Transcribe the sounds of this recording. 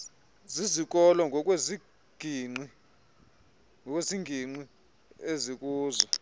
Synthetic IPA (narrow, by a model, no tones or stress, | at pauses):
zizik̬ʼɔlɔŋʱɔk̬ʼwezi | ɡ̥ʱiŋ͡ǀi | ŋʱɔk̬ʼweziŋɡʱiŋ͡ǀi | ezik̬ʼuːzɔ